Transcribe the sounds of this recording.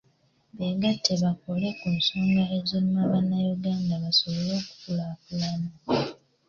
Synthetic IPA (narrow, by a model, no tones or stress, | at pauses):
βeɡatʰːeβako̞le̞kunso̞ːŋɡae̞zonmaβanːajuɡaːndaβaso̞βo̞lo̞ːku̥fulakulano